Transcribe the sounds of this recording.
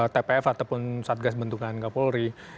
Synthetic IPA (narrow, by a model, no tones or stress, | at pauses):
t̪epeɛfat̪awpʊnsat̪̚ɡasbənt̪uŋankapolɾi